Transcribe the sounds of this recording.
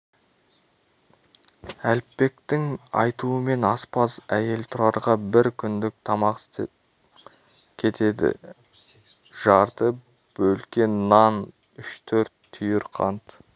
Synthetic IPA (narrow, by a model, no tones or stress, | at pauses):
ælpːe̞kt̪ɪŋɑ̰jt̪uəme̞nɑspɑzæje̞lt̪ʰʊɾɑɾʁɑbɪɾkʲʰʏnd̪ɪk̚t̪ʰɑmɑqs | kʲʰe̞t̪e̞d̪ɪ̰ | ʒ̥ɑɾt̪ə | b̥ɵlkʲe̞nːɑn | ʏʃt̪ʰɵɾt̪ʰːʏjɪɾqʰɑ̰nt̪